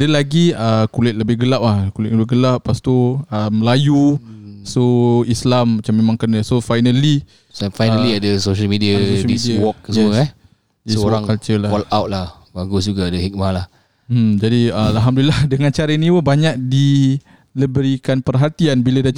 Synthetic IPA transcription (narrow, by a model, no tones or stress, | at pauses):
dəlaɡiəkulɛt̪̚ləbɪhɡəlaʔlahkulɪt̪̚ləbɪɡəlaʔːast̪oəmːəlajusoislamːat͡ʃamːemãŋkənəsofajnəli | fajnəliadəsoʃəlmidiadiisdiawɔk̚səəɛ | dissowɾaŋkat͡ʃəlaɔlawt̪̚lah | baɡʊsd͡ʒuɡaːdəhik̚malah̩ | d͡ʒadiəalɦamdulilahdəŋant͡ʃaɾəiniwəbaɲak̚di | ləbəɾikanpərɦat̪ianbiləda